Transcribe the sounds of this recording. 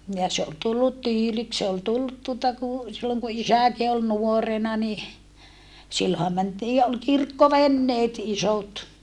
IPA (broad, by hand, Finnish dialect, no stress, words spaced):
jɑ se ol tulːut tyːliks se ol tulːut tuotɑ ku silːoŋ ku isæˑki ol nuorenɑ ni silːohɑ mæntiːj jɑ ol kirkːoʋenːeːt isot